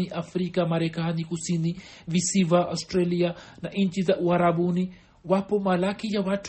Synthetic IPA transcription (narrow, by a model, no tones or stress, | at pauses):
iʔafɾikamaɾɛkanikusini | visivaʔastɾalianaʔɲ̩t͡ʃizaʔuaɾaɓuni | wapɔmalakijawat